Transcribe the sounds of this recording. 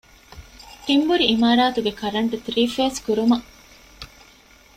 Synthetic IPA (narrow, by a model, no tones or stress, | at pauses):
t̪imbuɾiːmaːɾaːt̪uɡekɐɾɐɳʈut̪ɾiːfeːskuɾumɐ